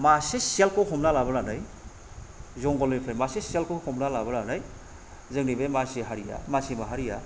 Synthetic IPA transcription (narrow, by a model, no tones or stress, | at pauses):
masesielkɔkʰɔmnalabananaj | zɔŋɡɔlejpʰɾajmaseselkɔkʰɔmnalabananaj | zɯŋnibemaseɦaɾija̰masimaɦaɾija